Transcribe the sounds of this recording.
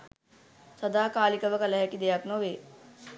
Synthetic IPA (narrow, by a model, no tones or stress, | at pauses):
sɐd̪aːkaːlikɐʋəkalɛɦɛkid̪ejaknoʋeː